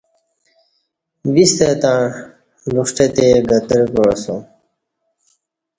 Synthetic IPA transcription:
ʋist̪et̪ã | luʂʈet̪eɡət̪əɾkosũ

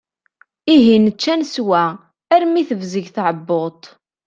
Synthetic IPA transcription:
iɦinət͡ʃːænswæ | æɾmiθəvzəʝθʕəbːʊt̪ˤ

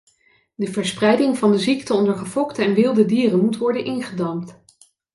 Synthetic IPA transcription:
dəvəɹsprɛjdɪŋvɑndəziktəɔndəɹχəvɔktəɛnʋɪlˠdədiːrənmutʋɔɹdənʔɪnχədɑmt

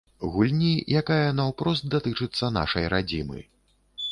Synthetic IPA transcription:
ɣulʲnʲijakajɐnɐwpɾɔst̪̚d̪at̪ɨt͡ʂɨt̪sːɐna̰ʂɐjɾad͡zʲimɨ̰

